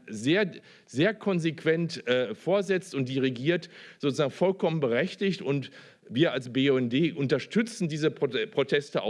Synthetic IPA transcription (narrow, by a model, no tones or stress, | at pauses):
zeːɐ | zeːɐkʰɔnzekv̥ɛntʔɛːfoːɐzɛt͡stʊnt̚d̥iʁeɡiːɐtz̥oːt͡suzaːɡŋ̩fɔlkʰɔmənbəʁɛçtɪçtʊnt | viːɐalsbeɛndeːʔʊntɐʃtʏt͡sn̩diːzəpʁ̥otʰɛstəʔa̰